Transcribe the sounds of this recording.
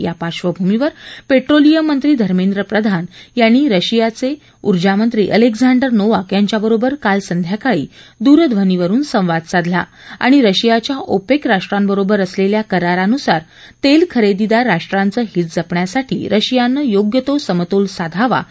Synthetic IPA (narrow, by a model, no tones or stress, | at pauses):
japaɕʋəbʱumiʋəɾpeʈɾolijəmːənt̪ɾiːd̪ʱəɾmẽnd̪ɾəpɾəd̪ʱanjañiːɾəɕijat͡se | uɾd͡ʑamənt̪ɾḭːʔəleɡd͡zaɳɖəɾnoʋakjaɲt͡ɕjabəɾobəɾkalsənd̪ʱjakaɭḭːd̪uɾəd̪ʱʋəniʋəɾuːnsə̃w̃ʋad̪̚sad̪ʱla̰ | a̰ɽ̃iɾəɕijat͡ɕjaʔopekɾaʂʈɾambəɾobəɾəsleljakəɾaɾanusaɾ | t̪elkʰəɾed̪id̪aɾaʂʈɾant͡səːɦiːt̪d͡zəpɳjasaʈʰḭːɾʔəɕijanːəjoɡjət̪osəmt̪olsad̪ʱaʋa̰